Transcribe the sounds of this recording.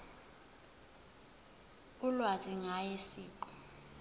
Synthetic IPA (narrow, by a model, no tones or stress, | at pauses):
ulwaziŋajesiːǃɔ̥